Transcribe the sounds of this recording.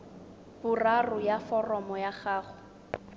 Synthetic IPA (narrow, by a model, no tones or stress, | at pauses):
bʊrarʊjafɔrɔmɔjaχaːχʊ